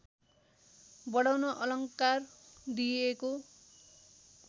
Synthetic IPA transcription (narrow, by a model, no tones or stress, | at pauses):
bʌɽawnʌʔʌlʌŋkard̪ieko